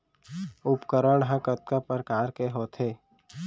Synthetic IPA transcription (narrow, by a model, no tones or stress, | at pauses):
ʊpkəɾəɽɦə̃kət̪̚kapəɾkaːɾkeɦoːt̪ʰeː